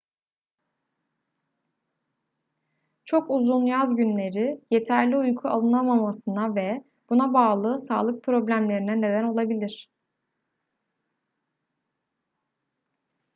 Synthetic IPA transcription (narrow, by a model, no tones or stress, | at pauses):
t͡ʃʰo̞kuzunjazɟynlʲe̞ɾije̞t̪ʰæɾlʲiujkʰua̰lˠɯnˠamamasɯnavɛ | b̥unabaːlˠɯsaːlˠɯk̚pʰɾo̞blʲæmlʲe̞ɾinɛne̞d̪æno̞lˠabilʲiɾ̝̥